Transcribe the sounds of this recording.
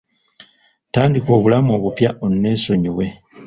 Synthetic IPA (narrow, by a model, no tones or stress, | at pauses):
taːndiko̞ːβulamo̞ːβupjaonːe̞so̞ɲiβwe̞